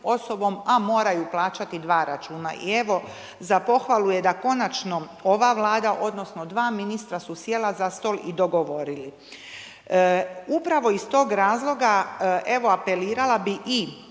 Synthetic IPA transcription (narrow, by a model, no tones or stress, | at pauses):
o̞so̞bo̞mamo̞ːɾajuplˠaːt͡ʃat̪id̪ʋaːɾat͡ʃuːna̰ʔḭe̞ʋo̞ | zapo̞xʋalˠujed̪ako̞nat͡ʃno̞ | o̞ʋaʋlˠaːd̪aʔo̞d̪no̞sno̞d̪ʋaːminist̪ɾasusjelazast̪o̞ːlˠid̪o̞ɡo̞ʋo̞ɾili | upɾaʋo̞ist̪o̞ːɡɾaːzlˠo̞ɡae̞ʋo̞ape̞liːɾalabiʔi